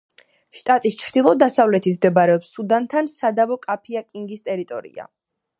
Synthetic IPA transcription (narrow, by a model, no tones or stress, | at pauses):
ʃt̪ʼat̪ʼist͡ʃʰɾd̪̥ilˠɔd̪asavlɛt̪ʰit̪ʰmd̪ɛbaɾɛɔpsːud̪ant̪ʰansad̪avɔkʼapʰiakʼiŋɡist̪ʼɛɾit̪ʼɔɾḭa̰